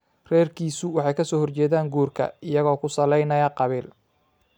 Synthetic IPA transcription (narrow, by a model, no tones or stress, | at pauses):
rɛːrkʰiːsʊwɑħɑjkʰɐsɔːhɔrt͡ʃɛːðaːŋɡuːrkʰɐ̰ɪjɐɣɔːkʰʊsɐlɛjnɐjɐqɑβiːl